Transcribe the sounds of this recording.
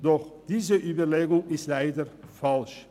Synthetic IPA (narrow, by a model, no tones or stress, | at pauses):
d̥ɔχd̥iːzəʔyːbəɹleːɡʊŋɪstlæɪdəɹfɑlʃ